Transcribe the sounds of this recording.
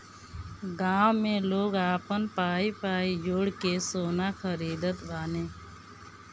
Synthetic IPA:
ɡaːwmẽloːɡaːpənpaːipaːid͡ʒoːɽkesoːnaxəɾiːd̪ət̪baːnẽː

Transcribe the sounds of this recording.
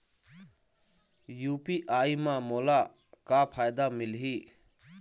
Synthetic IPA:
juːpiʔaimãmola | kapʰaːjd̪amilɦi

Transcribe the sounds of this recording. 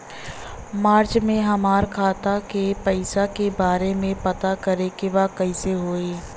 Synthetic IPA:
maːɾt͡ʃmẽɦɐmaːɾkʰaːt̪akepɐɪsakebaːɾemẽpɐt̪akɐɾekeʋakɐɪseɦoːeː

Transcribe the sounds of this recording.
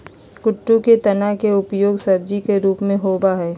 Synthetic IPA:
kʊʈːuket̪ɐnaɦkeʊpjoːɡsɐɾ̚d͡ʒikeɾuːpmẽɦoːbaɦɛː

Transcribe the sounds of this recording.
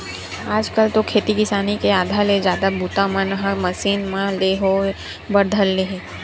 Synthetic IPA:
aːd͡ʒkəlt̪okʰeːt̪ikɪsaːnikeaːd̪ʱaled͡ʒjaːd̪abʱuːt̪ãmənɦəmɐsiːnmãleɦo | bɐɾd̪ʱəlːeɦeː

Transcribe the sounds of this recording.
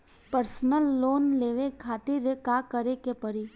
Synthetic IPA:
pəɾsnəlːoːnleːʋekʰaːt̪ɪɾekaːkəɾekepəɾi

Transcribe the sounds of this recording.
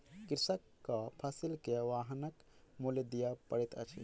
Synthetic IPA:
kɪɾsəkːəpʰəsilkeʋaɦnəkmuljd̪ijapəɽɛt̪ə̰t͡ʃʰḭ

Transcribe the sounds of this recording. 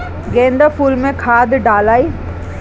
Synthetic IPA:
ɡẽːnd̪əfuːlmẽkʰaːd̪ɖaːlaːiː

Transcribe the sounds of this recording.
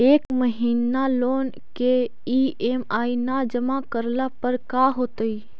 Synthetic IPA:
eːkməɦiːnaloːn | ke | iːeːmaːinad͡ʒəmakəɾlapəɾkaːɦoːt̪əi

